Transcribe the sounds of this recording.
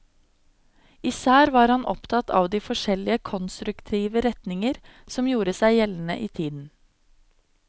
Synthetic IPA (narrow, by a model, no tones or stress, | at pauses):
ɪːsæːɾʋɑːɾhɑnʔɔ̰pt̪ʰɑt̪ʰɑ̰ːʋd̪iːfɔʃɛlɪəkʰɔnst̪ɾʉkt̪ʰiːʋəɾɛt̪nɪŋəɾsɔmjuːɾəsæɪjɛln̩ə̰ʔiːt̪ʰiːd̪n̩